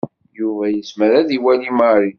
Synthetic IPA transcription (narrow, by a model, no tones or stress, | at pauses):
juvæjəsməɾæðiwæliməɾˤi